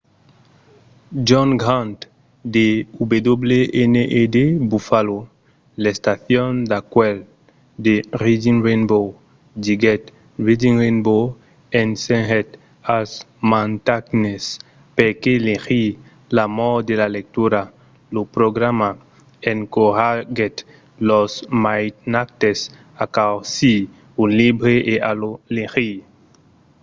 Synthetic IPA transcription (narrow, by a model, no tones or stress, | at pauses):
d͡ʒɔŋɡɾãnt̪ | d̪eubed̪obleʔeneʔed̪ebufalo | lest̪aθjond̪akwɛl | d̪erid͡ʒinrenbow | d͡ʒiɡɛt̪ | ɹid͡ʒiŋɾenbo | enseŋɦet̪ | as | mãnt̪aknes | peɾkelexi | lamɔd̪elalek̚t̪uɾa | lopɾoɡɾama | eŋkohaɡɛt̪ | lɔsmajt̪nak̚t̪es | akawsi | unlibɾeʔeʔalolexi